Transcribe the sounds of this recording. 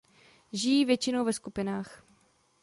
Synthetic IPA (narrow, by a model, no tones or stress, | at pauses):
ʒɪjiːvjɛt͡ʃɪnowvɛskupɪnaːx